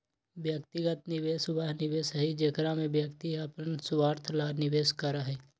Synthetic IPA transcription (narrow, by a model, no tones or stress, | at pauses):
bjəkt̪ɪɡət̪nɪʋeːsʊbaːɦnɪʋeːsəɦid͡ʒeːkɾamẽbjəkt̪iɐpənsʊʋaːɾt̪ʰlaːnɪʋeːskəɾaɦɛː